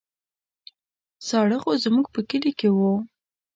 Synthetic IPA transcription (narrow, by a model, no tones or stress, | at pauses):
sɑɽəxozmuɡpəkəlikewu